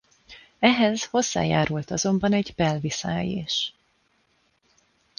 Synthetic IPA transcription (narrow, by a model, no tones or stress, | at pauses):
ɛɦɛzho̞zːa̰ːja̰ːɾult̪ɒzo̞mbɒnɛɟbɛlvisaːjḛːʃ